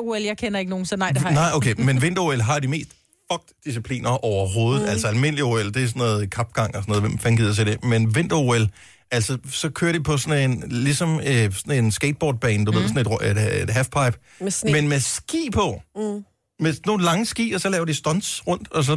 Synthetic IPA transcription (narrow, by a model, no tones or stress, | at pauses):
eljäɪkʰenɐe̝ɡ̥əno̝ːn̩snnɑɪʔokʰemenʋe̝n̰d̥ɐuelɦɑ̈ɾ̥ime̝̰ːsd̥ | fɒ̽ɡ̥̚d̥ːis̬ipʰlḭːnɐʔɒʊɐɦo̝ːð̞̩ˠælsɒælme̝n̰lioeld̥e̝æsɔ̽nɔ̽ːðˠkʰɑ̈b̥̚ɡ̥ɑ̈ŋ̰ɒsɒnɔðʋemfænɡið̰ˠɐt͡sʰeɾ̥e̝menʋe̝n̰d̥ɐuel | ʔæl̰sɒsɒ̽kʰøːɐɾ̥ipʰɒ̽sɒ̽ne̝nlisɒ̽msɒne̝nsɡ̥eɪd̥̚b̥ɒ̰ːd̥̚b̥ɛ̰ːnd̥uʋe̝ð̰ˠsɔne̝d̥ʁe̥ed̥ɦæfpʰɑ̈ɪb̥ | menmesɡ̥ḭːpʰɒ̽ | meno̝ːn̩lɑ̈ŋəsɡ̥ḭːɒ̽sɒlɛːʊɐdisd̥ɒ̽nsʁɔ̽n̰d̥ɒ̽s̬ɒ̽